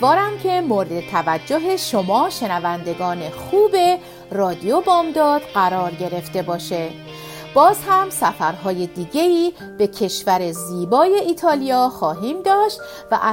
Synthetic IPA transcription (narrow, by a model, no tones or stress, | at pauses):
vɒːɾæmcʰe̞moɾed̪et̪ʰævæd͡ʒːoɦe̞ʃomɒːʃe̞nævænd̪e̞ɡɒːne̞xuːbe | rɒːd̪iobɒːmd̪ɒːd̪̥ɢæɾɒːɾɟe̞ɾe̞ft̪e̞bɒːʃe | b̥ɒːzhæmsæfæɾɦɒːjed̪iːɟe̞iː | b̥e̞cʰe̞ʃvæɾe̞ziːbɒːje̞ʔiːt̪ʰɒːlijɒːxɒːɦiːmd̪ɒːʃt̪ | væ̰ʔæ